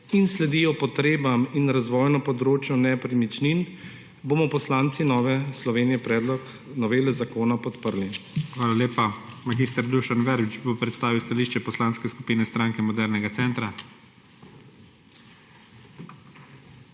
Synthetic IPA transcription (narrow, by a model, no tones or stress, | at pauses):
inslɛd̪iːjɔpɔt̪ɾeːbaminɾazʋɔːjnɔpɔd̪ɾoːt͡ʃjɔnɛpɾimit͡ʃnin | boːmɔpɔslaːnt̪sinɔːʋɛslɔʋeːnijɛpɾɛːd̪lɔk | nɔʋeːlɛzakoːnapɔt̪pəɾlixʋaːlaleːpamaɡist̪əɾd̪uʃanʋɛɾbit͡ʃbopɾɛt̪st̪aːʋiwst̪aliːʃt͡ʃɛpɔslaːnskɛskupiːnɛst̪ɾaːŋkɛmɔd̪ɛɾnɛɡat̪sɛnt̪ɾa